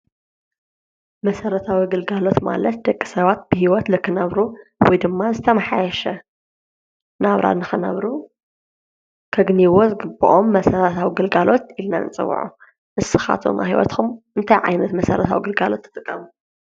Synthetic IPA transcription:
mɐsɐɾɐt̪ʰawiɡɨlɡalo̞t̪ma̰lɐt̪̚d̪ɐkʼːi̥sɐβat̪̚b̥ɨhiwɔt̪lɨkʰːɨnɐβɾuwɔjd̪ɨmːazɨt̪ʰɐmaħajɛʃɐ | naβɾa̰nɨxɨnɐ̰βɾu | kʰɐɡɨniwozɨɡɨbṵʔomːɐsɐɾɐt̪ʰawiɡɨlɡalo̞t̪ilna̰nt͡sʼɨ̰wːṵʕṵ | ʔɨsɨxa̰t̪ʰo̰mʔa̰hiwɔ̰t̪xʰumʔɨnt̪ʰajʕa̰jnɐt̪mɐsɐɾɐt̪ʰawiɡɨlɡalo̞t̪ʰːɨ̥t̪ʼɨkʼːɐmu

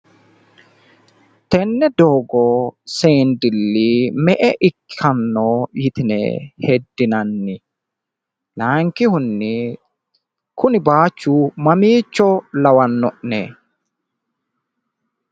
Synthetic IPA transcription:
t̪ɛnːɛd̪oːɡɔseːnd̪ɪlːimɛʔɛʔɪkʰːɐnːoːjɪt̪ɪnɛ̰hɛd̪ːɪnɐnːɪ | laːŋkːɪhʊnːɪ | kʊnɪbaːt͡ʃːumɐmiːt͡ʃːɔlɐwɐnːɔʔnḛː

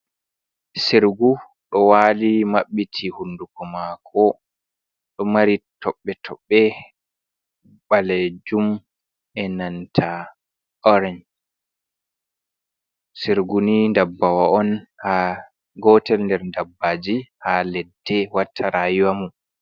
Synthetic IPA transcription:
siɾɡu | ɗɔwalimaɓːitʰihundukɔmakʰɔ | ɗɔmaɾitʰɔɓːɛtʰɔɓːɛ | ɓalɛd͡ʒum | ʔɛnantʰa | ɔɾɛɲd͡ʒ | siɾɡunindabːawaɔnha | ɡɔtɛlndɛɾndabːad͡ʒihalɛdːɛwatʰːaɾajiwamu

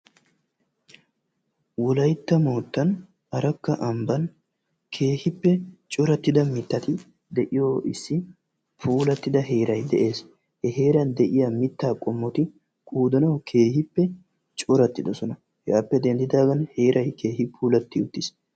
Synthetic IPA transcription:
wɔlɐjt̪ːɐmo̞ːt̪ːɐn | ɐɾɐkːɐʔɐmbɐn | kʰe̞ːhɪpːɛt͡ʃʼɔɾɐt̪ːɪd̪ɐmɪt̪ːɐt̪ɪ | d̪ɛʔɪjo̞ːɪsːɪ | pʰuːlɐt̪ːɪd̪ɐɦeːɾɐjd̪ɛʔe̞ːs | hɛɦe̞ːɾɐnd̪ɛʔɪjɐmɪt̪ːaːkʼɔmːɔt̪ɪ | kʰʼuːd̪ɐnɐwkʰe̞ːhɪpːɛ | t͡ʃʼɔɾɐt̪ːɪd̪ɔsɔnɐ | hɛapːɛd̪ɛnd̪ɪd̪aːɡɐnhe̞ːɾʔɐjkʰe̞ːhɪpʰuːlɐt̪ːɪʊt̪ːɪs

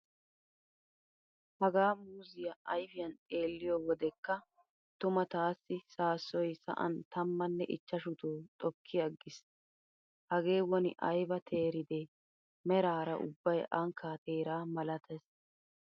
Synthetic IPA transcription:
hɐɡaːmuːzɪjɐɐjfɪjɐnt̪ʼe̞ːlːɪjɔwɔd̪ɛkːɐ | t̪ʊmɐt̪aːsːɪsaːsːɔjsɐ̰ʔɐ̰nt̪ɐmːɐnːɛʔɪt͡ʃːɐʃʊt̪uːt̪ʼɔkʰːɪjɐɡːɪs | hɐɡe̞ːwɔnɪ̰ʔɐjbɐt̪ʰe̞ːɾɪd̪ɛ | mɛɾaːɾɐʔʊ̰bːɐjʔɐŋkʰːaːt̪e̞ːɾaːmɐlɐt̪ɛs

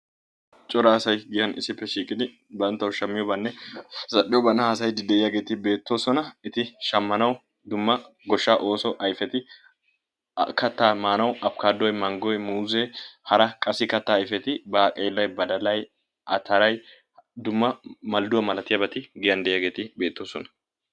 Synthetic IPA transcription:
t͡ʃʼɔɾasɐjɡɪjɐnɪ̰sːɪpːɛʃiːkʼɪd̪ɪ | bɐnt̪ːɐwʃɐmːɪjɔbɐnːɛsɐʔɪjɔbɐnːɐhaːsɐjd̪ɪd̪ɛɪjaːɡe̞ːt̪ɪbe̞ːt̪ːo̞ːsɔnɐɪt̪ɪʃɐmːɐnɐw | d̪ʊmːɐ | ɡɔʃːaːʔo̞ːsɔʔɐjfɛt̪ɪ | kɐt̪ːaːmaːnɐwɐp̚kaːd̪ːɔjmɐŋɡɔjmuːzɛhɐɾɐkʼɐsːɪkɐt̪ːaːjfɛt̪ɪbɐːkʼeːlːɐjbɐd̪ɐlɐj | ʔɐ̰t̪ɐɾɐj | d̪ʊmːɐmɐld̪ʊwɐmɐlɐt̪ɪjɐbɐt̪ɪɡɪjɐnd̪ɛʔɪjaːɡe̞ːt̪ɪbe̞ːt̪ːo̞ːsɔnɐ̥

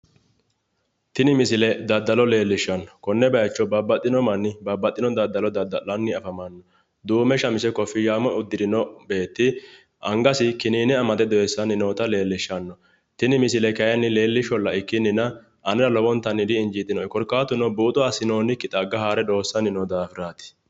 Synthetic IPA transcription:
t̪ɪnɪmɪsɪlɛd̪ɐd̪ːɐlɔle̞ːlːɪʃːɐnːɔ̥kɔnːɛbɐjɐt͡ʃːɔbɐbːɐt̪ʼːɪnɔmɐnːɪbɐbːɐt̪ʼːɪnɔd̪ɐd̪ːɐlɔd̪ɐd̪ːɐlːɐnːɪɐfɐmɐnːɔ | d̪uːmɛʃɐmɪsɛkɔfːɪjaːmɔʊd̪ːɪd̪ɪnɔbe̞ːt̪ːɪ | ʔɐŋɡɐsɪkɪniːnɪɐmɐt̪ɛd̪ɔjɛsːɐnɪnoːt̪ɐle̞ːlːɪʃːɐnːɔ | t̪ɪnɪmɪsɪlɛkɐjɐnːɪle̞ːlːɪʃɔlːɐɪkːɪnːɪnɐ | ʔɐnɛɾɐlɔbɔnt̪ːɐnːɪd̪ɪɪnd͡ʒɪt̪ʼːɪnɔjkɔɾkːaːt̪ːʊnɔbuːt̪ʼʊwaːsɪnoːnɪkːɪt̪ʼɐɡɐhaːɾɛd̪o̞ːsːɐnɪnɔd̪aːfɪɾaːt̪ɪ̥

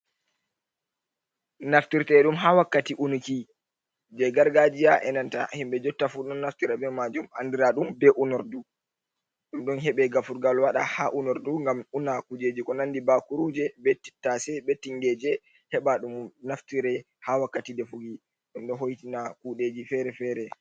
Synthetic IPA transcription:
naftiɾtɛɗumɦawakːatiʔunuki | d͡ʒɛɡaɾɡad͡ʒijaʔɛnanta̰himɓɛd͡ʒɔtːafuɗɔnːaftiɾɛbɛmad͡ʒumandiɾaɗumbɛʔunɔɾdu | ɗumɗɔnɦɛɓɛɡafuɾɡalwaɗahaʔunɔɾduŋɡamunakud͡ʒed͡ʒikɔnandibakuɾud͡ʒɛbɛtːi̥tːasɛbetːiŋɡɛd͡ʒɛ | hɛɓaɗumnaftiɾɛ | hawakːatidɛfuɡi | ɗumɗɔɦojtinakuɗed͡ʒifɛɾɛfɛɾɛ

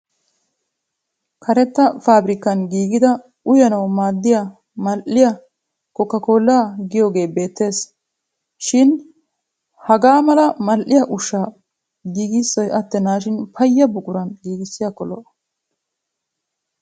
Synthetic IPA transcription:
kʰɐɾɛt̪ːɐfaːbɾɪkːɐnɡiːɡɪd̪ɐ | ʊjɐnɐwmaːd̪ːɪja | mɐlʔɪjɐ | kɔkːɐko̞ːlːaːɡɪjoːɡe̞ːbe̞ːt̪ːe̞ːs | ʃɪn | hɐɡaːmɐlɐmɐlʔɪjɐʔʊʃːaː | ɡiːɡɪsːɔjʔɐt̪ːɛnaːʃɪnpʰɐjːɐbʊkʼʊɾɐnɡiːɡɪsːɪjɐkɔlɔ̰ʔ

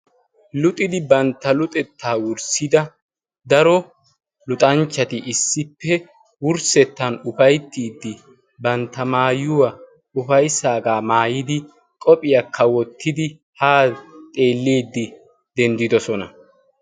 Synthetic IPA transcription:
lʊt̪ʼɪd̪ɪbɐnt̪ːɐlʊt̪ʼɛt̪ʰːaːwʊɾsɪd̪ɐ | d̪ɐɾɔ | lʊt̪ʼɐnt͡ʃːɐt̪ɪʔɪsːɪpːɛ | wʊɾsɛt̪ːɐnʊfɐjt̪ːiːd̪ːɪ | bɐnt̪ːɐmaːjʊwɐ | ʊfɐjsaːɡaːmaːjɪd̪ɪ | kʼɔpʼɪjɐkʰːɐwɔt̪ʰːɪd̪ɪ | haːt̪ʼe̞ːlːeːd̪ːɪ | d̪ɛnd̪ɪd̪ɔsɔnɐ

